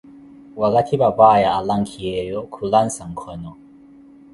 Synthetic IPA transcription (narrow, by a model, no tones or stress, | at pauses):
wakatʰibabaːjaːlaŋkʰijɛjɔkʰulansaŋ̩kʰɔnɔ